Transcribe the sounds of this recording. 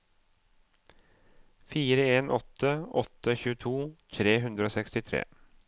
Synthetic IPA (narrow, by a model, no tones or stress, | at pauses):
fiːɾəeːnʔɔt̪əɔt̪əçʉːət̪ʰuːt̪ʰɾeːɦʉnd̪ɾəoːsɛkst̪ɪt̪ʰɾḛː